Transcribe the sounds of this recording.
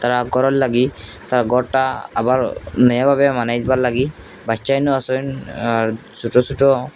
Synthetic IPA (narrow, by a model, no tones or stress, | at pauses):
t̪aɾaɡɔɾɔllaɡit̪aɾaɡɔɾʈa̰ːbaɾnɔjabʱabɛmanajd̪ibaɾlaɡi | bajt͡ʃajnuasɔjnaɾ | suʈɔsuʈɔ